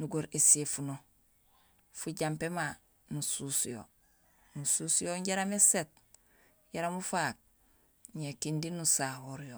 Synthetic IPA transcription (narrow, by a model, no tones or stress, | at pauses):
nuɡoɾesefuno | fuɟampema | nususjo̰ | nusuːsjoɲɟaɾameset̚ | ɟaɾamufak̚ | ɲekindinusahoɾjo